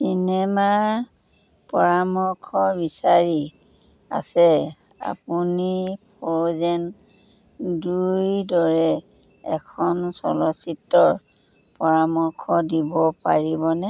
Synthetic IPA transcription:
sinɛma | pɔɹamɔɹkʰɔbisaɹi | a̰sɛ | a̰punipʰɔzɛn | dujdɔɹɛ | ɛkʰɔnsɔ̰lɔsitːɔɹ | pɔɹamɔɹkʰɔdibɔpaɹibɔnɛ

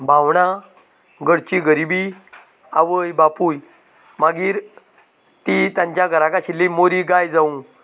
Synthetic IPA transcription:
bawɽ̃a | ɡəɽt͡ɕiɡəɾibi | aʋəjbapuːj | maɡiːɾ | t̪it̪jãɲt͡ɕjaɡʱəɾakaɕilːimoɾiɡajd͡zaũ

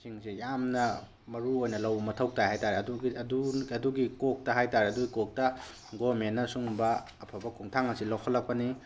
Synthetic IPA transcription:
siŋsijamnɐ | mɐɾuojnɐlɐwmɐtʰɐwk̚tahajtaɾeɐduiɐduɐduɡikok̚tɐɦajtaɾeɐduɡikok̚tɐ | ɡomenːɐsuŋbɐː | pʰɐbɐkʰuŋtʰaŋɐsilokʰːɐlːɐk̚pɐni

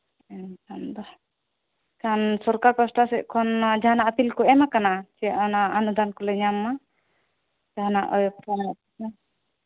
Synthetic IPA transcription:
ɛntand̪ɔ | kansɔɾkaɾkɔsʈasɛʔkʰɔnd͡ʒaɦanaʔapilkɔɛmakanat͡ʃijaʔanaːnud̪ankɔlɛɲamːa | d͡ʒaɦanaʔɔɔptʰanaatina

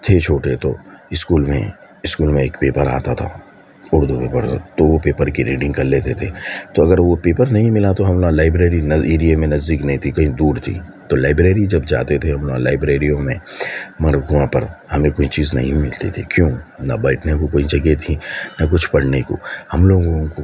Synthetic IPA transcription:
t̪ʰet͡ʃʰoːʈet̪oɪskuːlmḛ̃ | ɪskuːlmẽeːkpeːpəɾa̰ːt̪at̪ʰa̰ | ʊɽd̪upeːpəɾt̪ʰa̰t̪oʋopeːpəɾkiɾeːɖɪ̃ŋɡkɐɾleːt̪et̪ʰeːt̪oɐɡəɾʋopeːpəɾnɐɦĩmɪlat̪oɦɐmlõːlaːɪbɾeːɾinɐeːɾijemẽnɐzd̪iknɐɦĩt̪ʰikɐɦĩd̪uːɾt̪ʰḭːt̪olaːɪbɾeːɾid͡ʒɐbd͡ʒa̰ːt̪et̪ʰeɦɐmloːɡlaːɪbɾeːɾijõmẽmɐɾkuãpɐɾhɐmẽkoːit͡ʃiːznɐ̰ɦĩmɪlt̪et̪ʰikjõːnɐ̰bɐːʈʰnekokoːid͡ʒɐɡet̪ʰinɐk̬ʊt͡ʃʰpɐɽneko̰hɐmloːɡoõko

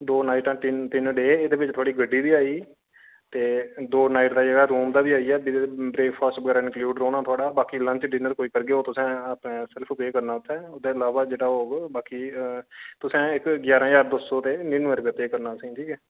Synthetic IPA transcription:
d̪oːnaːɪʈãːt̪ɪnɖeːɪd̪eːbɪt͡ʃt̪ʰoaːɽiːɡəɖːiːd̪iːaːiː | t̪eːd̪oːnaːɪʈd̪aːd͡ʒəɡaːɾuːmd̪aːbiːaːiːɛːbibɾeːkpʰaːsʈbəɡɛːɾaːɪ̃nkljuːɖɾoːnaːt̪ʰʊaːɽaːbaːkiːlə̃ɲt͡ʃɖɪnəɾkoːiːkəɾɡeːoːt̪ʊsɛ̃ːaːpnẽːsɪlpʰpeːkəɾnaːʊt̪ʰːɛːʊd̪eːəlaːʋaːd͡ʒeːɽaːoːbaːkiː | t̪ʊsẽːɪkɡjaːɾãːd͡ʒaːɾd̪oːsoːt̪eːnɪːnʋəɾpep̪eːkəɾnaːsĩːʈʰiːkɛː

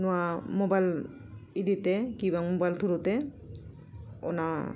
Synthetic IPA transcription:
nuamobajl | id̪it̪ekibaŋmobajlt̪ʰuɾut̪e | o̰na

